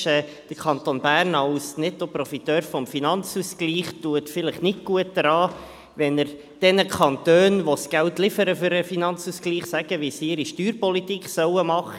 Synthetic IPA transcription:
ɛː | d̥əɾkʰɑnt̪onbæːɾnɑwsnɪtːopɾɔfit̪øːɾfɔmfinɑnt͡suskliːχtuətfɪləχnɪtɡ̥uət̚dəɾɑː | ʋɛnəɾ | d̥ɛnəkʰɑnt̪øːnʋosɡ̥æltlɪfəɾəfʏɾəfinɑnt͡suskliːχsæɡ̥əʋisiɪɾiʃtyːɾpɔlit̪iːkχsœwəmɑχə

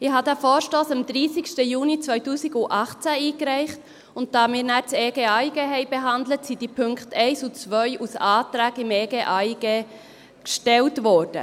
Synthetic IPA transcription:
ɪhɑdæːfɔːɾʃtoːsɑmd̪ɾiːsɪʃtəjuːnit͡svœʏtuːsiɡʊʔɑχt͡sæiːkɾɛɪχt | ʊnt̚d̥ɑːmɪːɾnæːɾt͡seːɡeɑjɡeɦɛɪbɛɦɑndlətsid̥ipʰʏŋkχtʰɛɪsut͡sʋœʏʔusɑːtɾæːkɪmeːɡeːʔɑjɡ̥e | kʃtɛltʋɔːɾd̥ə

